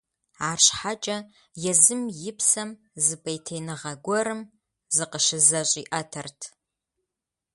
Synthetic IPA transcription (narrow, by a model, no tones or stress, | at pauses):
aːrɕħat͡ʃʼɐ | jɛzɨmjɪpsɐm | zɨbɐjtʰejnɨʁɐɡʷɔɾɨm | zɨqəʃɪzɐɕʼiːʔɐtʰɐrtʰ